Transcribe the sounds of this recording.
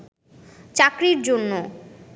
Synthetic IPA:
t͡ɕakɾiɾd͡ʑonːo

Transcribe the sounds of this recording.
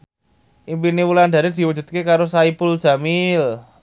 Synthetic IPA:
ʔimpinewulanɖ̪a̤ɾed̪̥i̤wu̥d͡ʒ̥ṳd̪̥̚kekaɾosaibʊld̥ʒ̥a̤mil

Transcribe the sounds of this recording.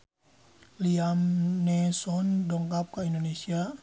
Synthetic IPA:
liamnɛsɔndɔŋkap̚kaindonesia

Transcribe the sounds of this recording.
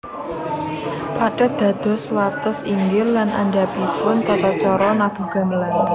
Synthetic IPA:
paɖ̥a̤d̪̥a̤d̪̥ɔ̤swat̪əsiŋɡɪllanʔa̰ɳɖapipʊnt̪ɔt̪ɔt͡ʃɔɾɔnab̥ṳɡ̥a̤məlan

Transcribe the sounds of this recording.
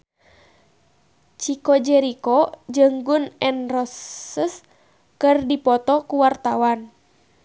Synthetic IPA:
t͡ʃikɔd͡ʒɛɾikɔd͡ʒəŋɡunɛnrɔsəs | kɨrdipɔt̪ɔkuwart̪awan

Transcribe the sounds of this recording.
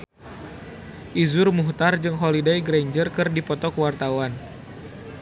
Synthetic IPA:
ʔizʊrmuht̪ard͡ʒɨŋɦɔlidajɡɾeɲd͡ʒərkɨrdipɔt̪ɔkəwart̪awan

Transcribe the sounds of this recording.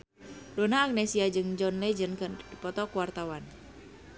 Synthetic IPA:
dɔnaːk̚nɛsiad͡ʒɨŋd͡ʒɔnlɛd͡ʒənkɨrdipɔt̪ɔkuwart̪awan

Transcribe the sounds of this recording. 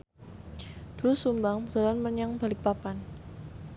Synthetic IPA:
d̪̥usumbaŋbədalanməɲaŋbalɪk̚papan

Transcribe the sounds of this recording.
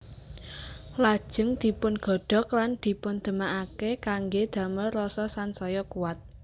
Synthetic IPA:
lad̥ʒ̥ə̤ŋd̪̥i̤pʊnɡ̥ɔ̤ɖ̥ɔ̤kland̪̥i̤pʊnd̪̥ə̤maʔakekaŋɡed̪̥a̤məːɔsɔsansɔjɔkuat̪̚

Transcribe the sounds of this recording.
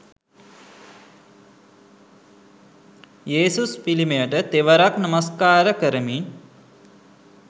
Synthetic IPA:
jeːsuspilimejəʈət̪eʋəɾaknɐmaskaːɾəkəɾəmi

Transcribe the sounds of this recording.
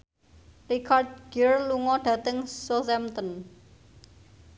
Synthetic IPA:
rikʰard̪̚ɡ̥ɪrluŋɔɖ̥ä̤t̪əŋsosɛmt̪ən

